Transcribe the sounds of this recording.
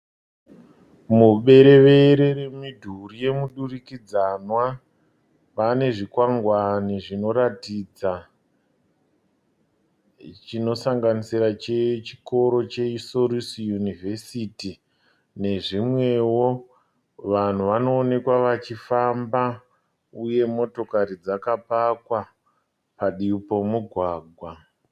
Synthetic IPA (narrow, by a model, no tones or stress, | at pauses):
muɓe̞ɾe̞ʋe̞ɾeɾemidʱurije̞muɗurikid͡zanwa | pane̞ʐikwaŋɡwaniʐino̞ɾatiːd͡za | t͡ʃino̞saŋɡanisiɾat͡ʃet͡ʃiko̞ɾo̞t͡ʃe̞iso̞ɾisjunivʱe̞siti | ne̞ʐimwe̞wo̞ | ʋan̤uʋano̞ːne̞kwaʋat͡ʃifamba | uje̞mo̞to̞kaɾid͡zakapakwa | paɗipo̞muɡʱwaːɡʱwa